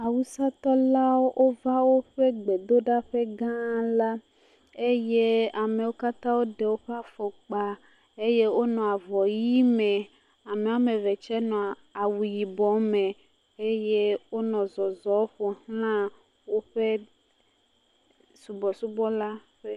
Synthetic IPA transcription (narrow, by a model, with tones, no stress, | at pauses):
a˨wu˦sa˦t̪ɔ˦la˦wo˦ʔo˦va˦wo˦ɸe˦ɡ͡be˨d̪o˦ɖa˦ɸe˦ɡã˦la˦ | e˦je˦a˨me˨wo˦ka˦t̪ã˦wo˦ɖe˨wo˦ɸe˦a˦fo˨k͡pa˨ | e˦je˦wo˦nɔ̃˨a˨vɔ˨ji˦mẽ˨ | a˨me˨o˦mẽ˨ve˨t͡ʃɛ˦nɔ̃˨ | a˨wu˨ji˨bɔ˨mẽ˨ | e˦je˦wo˦nɔ̃˨zɔ˨zɔ˨˦o˦ɸo˨hlã˦ | wo˦ɸe˦ | su˨bɔ˨su˦bɔ˦la˦ | ɸe˦